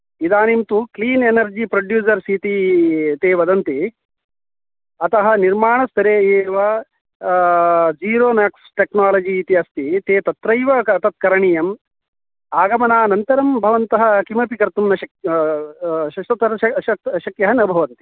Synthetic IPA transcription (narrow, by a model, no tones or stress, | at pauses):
id̪aːnimt̪ukliːnenɐɾd͡ʒipɾoɖjuːs̬ɐɾsit̪it̪eːʋɐd̪ɐnt̪i | ɐt̪ɐɦɐ̆niɾmaːɳɐst̪ɐɾeːeːʋɐ | d͡ʒiːɾoːnaːksʈeknaːlɐd͡ʒiːt̪iɐst̪it̪eːt̪ɐt̪ɾɐjʋɐɐt̪ɐt̪̚kɐɾɐɳijɐm | aːɡɐmɐnaːnɐnt̪ɐɾɐmbʱɐʋɐnt̪ɐɦɐ̆kimɐpikɐɾt̪umnɐʃɐk | ʃɐʃɐt̪ɐɾɐɐɐʃɐkjɐɦɐnɐbʱɐʋɐnt̪i̥